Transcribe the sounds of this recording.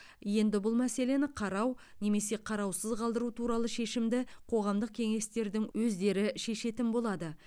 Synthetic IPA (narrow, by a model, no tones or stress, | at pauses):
je̞nd̪ɪbʊlˠmæse̞le̞nɪqʰɑɾɑwne̞me̞se̞qʰɑɾɑwsəzqɑlˠd̪əɾut̪ʰuɾɑlˠəʃe̞ʃɪmd̪ɪqʰo̞ʁɑmd̪əq̚kʲʰe̞ŋe̞st̪e̞ɾd̪ɪŋwɵzd̪e̞ɾɪʃe̞ʃe̞t̪ɪnbo̞lˠɑd̪ə